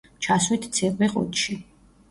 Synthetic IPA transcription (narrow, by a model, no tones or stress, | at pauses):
t͡ʃʰaswit̪ʰt̪sʰɛɾbɛqʼɔ̰t̪ʼʃi